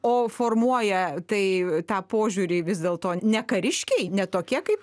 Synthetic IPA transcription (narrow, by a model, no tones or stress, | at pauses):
oːfoːrmuɔjɛt̪ɐɪt̪ɑːpoːʒʲuːɾʲɪʋʲɪzd̪ʲeːlˠt̪oːnʲɛkɐɾʲɪʃʲkʲɛɪnʲɛt̪oːkʲiɛkɐɪpp